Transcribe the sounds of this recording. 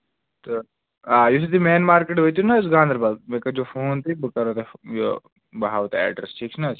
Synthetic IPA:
t̪o | aːjus̬it̪ʰimeːnmaːɾkeʈɦojt̪unasɡãːnd̪ʱɾbaːlmeːkɐd͡ʒoːfoːnt̪ʰibəkɐɾoːt̪ejo̰ | bɐaːʋt̪ːɛ̰ːɖə̰ɾsʈʰiːk̚t͡ʃʰnas

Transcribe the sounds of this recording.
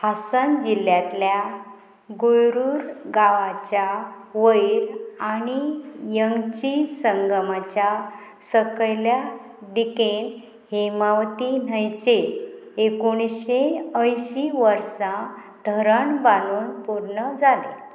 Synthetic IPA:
hasənd͡ʑiljat̪lja | ɡojɾuːɾɡaʋat͡ɕjaʋəjɾañijəŋɡt͡ɕisəŋɡəmat͡ɕja | səkəjlja | d̪iken | hemaʋt̪inəjt͡ɕe | ekoɽ̃ɕeəjɕiʋəɾsã | d̪ʱəɾəɳbanuːnpuɾɳəd͡zalḛ

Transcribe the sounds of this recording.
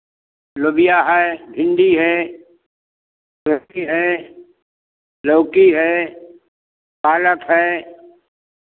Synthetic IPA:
lʊbɪjaɦɛbʱɪ̃nɖ̪iɦɛː | əiɦɛː | loːkiɦɛː | paːləkɦɛː

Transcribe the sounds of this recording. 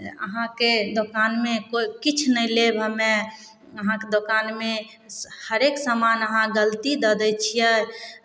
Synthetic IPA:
ə̰ɦãked̪okanmekokit͡ʃʰnəlebʱəme | əɦãked̪okanme | həɾeksəmanəɦãɡəlt̪id̪əd̪ɛt͡ʃʰijɛ

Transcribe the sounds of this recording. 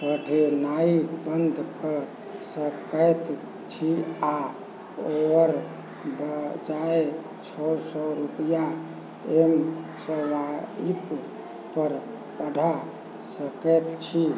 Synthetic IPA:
pəɖʱenaikbənd̪ʱkə | səkət̪ | t͡ʃʰia | oəɾ | bd͡ʒae | t͡ʃʰɔsɔɾupja | emsɔwaip | pəɾ | pəɖʱa | səkɛt̪t͡ʃʰi

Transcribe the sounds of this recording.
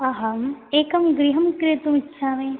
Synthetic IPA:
aɦɐmeːkɐmɡɾiɦɐmkɾit̪umitːʃʰaːmẽː

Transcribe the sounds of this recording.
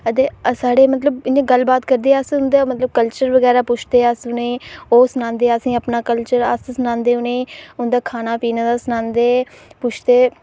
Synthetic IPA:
ət̪eːsaːɽeːmət̪ləbɪnẽːɡəlbaːt̪kəɾd̪eːəsʊnd̪eːmət̪ləb̚kəlt͡ʃəɾʋəɡɛːɾaːpʊt͡ʃʰd̪eːəsʊneːoːsənãːnd̪eːəsĩːəpnaːkəlt͡ʃəɾə̰ssnãːnd̪eːʊneːʊnd̪aːkʰaːnaːpiːnãːd̪aːsənãːnd̪eː | pʊt͡ʃʰd̪eː

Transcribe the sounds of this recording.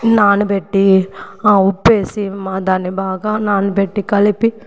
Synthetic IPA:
naːnubeʈːiaːupːeːsimad̪aːnibaːɡɐnaːnubɛʈːikɐlipːi

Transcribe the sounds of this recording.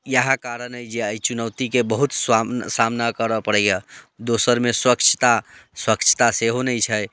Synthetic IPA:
jəɦãkaɾənəjd͡ʒeajt͡ʃunəwt̪ikebəɦut̪swasamnakəɾəpəɽəjəd̪osəɾmeswəkt͡ʃʰə̥t̪aswəkt͡ʃʰə̥t̪aseɦonɛjt͡ʃʰɛj

